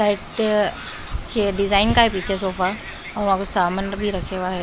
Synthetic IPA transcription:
saiʈ | t͡ɕeɖizainkaɦipit͡ɕəs̬ofa | ɔmakusamənbʱiːɾəkʰeʋaɦe

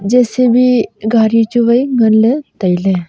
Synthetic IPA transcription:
d͡ʑɛsebʱiɡʱaɾit͡ɕuʋəjɡʱənlet̪əjle

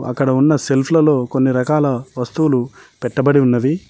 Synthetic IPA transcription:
ɐ̰kːɐɽɐunːɐse̞lpʰlɐlo̞ːkonːiɾɐkaːlɐʋɐst̪uwulupɛʈːɐbɐɽiunːɐd̪i

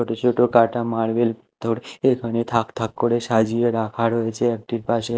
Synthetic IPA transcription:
oʈot͡ʃʰoʈokaʈamaɭʋel | t̪ʰoɽeɡʰʱəñit̪ʰakt̪ʰakːoɽeʃad͡ʒieɾakʰaɽɦojet͡ʃʰeɛk̚ʈiɾpaʃe

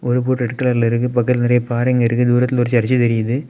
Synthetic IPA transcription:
ʔɔɾɯpuːʈːɐʈkːɐɭaɾlɪɾɯk̬ːɯp̬ɐkːɐt̪lnɪɾɐjɐpaːɾɐŋɡɐɪɾɯkːɯd̪uːɾɐt̪ːɪlʊɾɪt͡ʃːɯɐɾɪt͡ʃːɯt̪ɛɾɪjɐðɯ

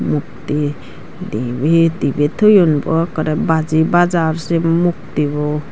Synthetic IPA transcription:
muk̚t̪i | d̪ibed̪ibet̪ʰɔjɔnbɔ̰kɔɾɛbad͡ʒibazaɾsemuk̚t̪ibɔ

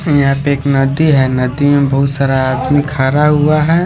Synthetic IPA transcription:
japeːknəd̪iɦɛnəd̪imẽbəɦʊt̪saːɾaːd̪mikʰaːɾaɦʊaɦɛ

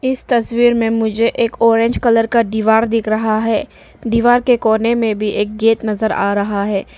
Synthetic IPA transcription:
ɪst̪ɐswiːɾmẽmʊd͡ʒʱeʔeːkɔːɾẽːɲd͡ʒkɐləɾkaɖiːʋaːɾd̪ɪkʰɾɐɦaɦɛː | ɖiːʋaːɾkekoːnemẽbʱiʔeːk̚ɡeːt̪nɐzəɾa̰ːɾɐɦaɦɛː

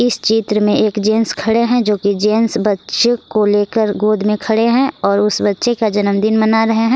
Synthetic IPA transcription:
ɪst͡ʃiːt̪ɾəmẽeːkd͡ʒẽːnskʰɐɽeɦɛ̃d͡ʒoːkid͡ʒeːnsbɐtːʃekoleːkəɾɡoːd̪ʱmẽkʰɐɽeɦɛ̃ɔːɾʊsbɐtːʃekad͡ʒɐnəmd̪ɪnmɐnaɾɐɦeɦɛ̃ː

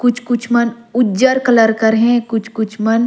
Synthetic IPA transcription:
kʊt͡ʃʰkʊt͡ʃʰmɐn | ʊd͡ʒəɾkɐləɾkəɾɦɛ̃kʊt͡ʃʰkʊt͡ʃʰmɐn

